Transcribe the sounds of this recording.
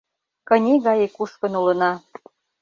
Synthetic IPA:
kɤ̆nʲiɣɑjekuʃkə̆nulə̆nɑ

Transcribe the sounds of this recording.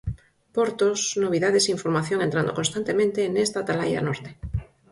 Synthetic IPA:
poɾt̪osnoβ̞iðaðesiɱfoɾmaθjoŋẽnt̪ɾand̪okonst̪ant̪emẽnt̪enest̪at̪alajɾa̰noɾt̪e̥

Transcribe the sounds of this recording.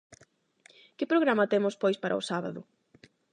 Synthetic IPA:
kɪpɾoɣɾamɐt̪emʊspojspaɾʔɐ̰ʊsaβaðʊ

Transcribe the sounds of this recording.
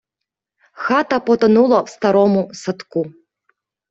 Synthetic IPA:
xat̪ɐpɔt̪anulˠɐwst̪aɾɔmusat̪ku

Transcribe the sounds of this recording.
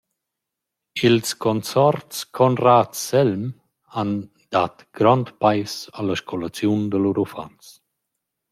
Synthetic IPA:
ilskɔnt͡sɔɾtskʰɔnraːtsɛlm | an | d̪at̪ɡ̥ɾɔnt̪pajsaləʃkʰɔlat͡sjund̪əluɾufa̰ns

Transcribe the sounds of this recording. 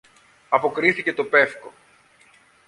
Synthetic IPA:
ɐpo̞kɾiθice̞t̪o̞pe̞fko̞̰

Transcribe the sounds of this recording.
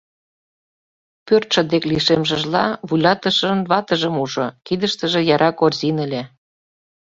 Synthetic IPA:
pørt̪ʃə̆d̪ekliʃemʒə̆ʒlɑβujlʲɑt̪əʃənβɑt̪əʒəmuʒokid̪ə̆ʃt̪ə̆ʒĕjɑɾʔɑkorzinə̆lʲe

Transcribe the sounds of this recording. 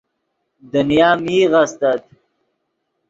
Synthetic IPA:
d̪ənjaːmiːɣast̪at̪̚

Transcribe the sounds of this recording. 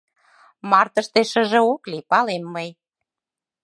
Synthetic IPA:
mɑrt̪əʃt̪eʃəʒə̆oklipɑlemːəj

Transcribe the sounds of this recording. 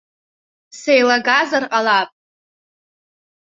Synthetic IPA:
sejlaɡazarqʼalapʼ

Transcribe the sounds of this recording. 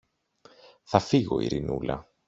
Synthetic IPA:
θɐfiɣo̞̰ḭɾinṵlɐ̰

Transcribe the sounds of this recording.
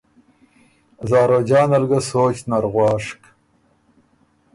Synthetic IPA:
zɑːɾod͡ʑɑːnalɡasoːt͡ɕnaɾɣwɑːʂk

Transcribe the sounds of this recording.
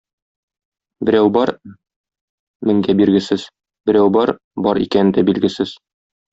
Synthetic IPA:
bɘ̆ɾæwbɒɾ | mɘ̆ŋɡæbiɾɡɘ̆sɘz | bɘ̆ɾæwbɒɾ | bɒɾḭkænɘnd̪æbilɡɘ̆sɘz

